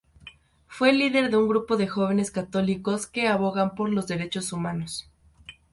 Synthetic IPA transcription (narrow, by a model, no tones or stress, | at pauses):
fwe̞liðe̞ɾðe̞uŋɡɾupo̞ðe̞xo̞β̞e̞neskat̪o̞liko̞ske̞aβo̞ɣampo̞ɾlo̞zðe̞ɾe̞t͡ʃo̞sumano̞s